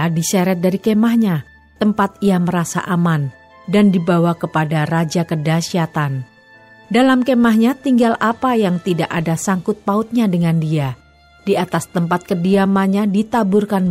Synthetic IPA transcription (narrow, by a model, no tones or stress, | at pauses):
disaɾɛt̪̚daɾikemahɲa | t̪əmpat̪̚ijaməɾasa̰ʔaman | dandibawakəpadarad͡ʒakədasiat̪an | dalamkemaɦɲat̪iŋɡalapajaŋt̪idaʔadasaŋkʊt̪̚paʊt̪̚ɲadəŋandia | diat̪ast̪əmpat̪̚kədiamaɲadit̪abʊrkan